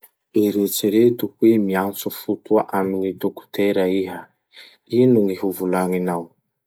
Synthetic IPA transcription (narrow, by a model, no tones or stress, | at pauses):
eɾet͡siɾet̪uhwemiant͡sufut̪uaʔaminit̪oku̥t̪eɾaiɦa | inuŋihuvulaŋinaw